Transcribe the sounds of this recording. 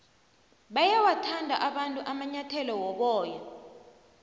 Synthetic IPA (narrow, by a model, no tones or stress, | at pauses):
ɓajawatʰandʱaʔaɓantʼuʔamaɲatʰɛlɔwɔɓɔːja